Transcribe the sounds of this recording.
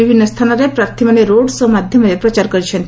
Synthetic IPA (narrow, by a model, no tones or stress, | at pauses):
ibʱinːəst̪ʰanaɾepɾaɾt̪ʰiməneɾoɽsɔmad̪ʱjəməɾepɾət͡ʃaɾkəɾit͡ʃʰent̪